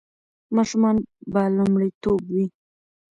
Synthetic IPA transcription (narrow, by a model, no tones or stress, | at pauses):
mɑʃʊmɑnbalʊmɽit̪obwi